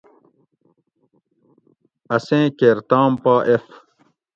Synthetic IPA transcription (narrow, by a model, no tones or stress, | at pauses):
ɐsẽːkeːɾt̪aːmpaːʔef